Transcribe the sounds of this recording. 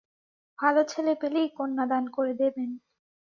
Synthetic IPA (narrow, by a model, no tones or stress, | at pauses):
bʱalot͡ɕʰelepelejkonːad̪ankoɾed̪eben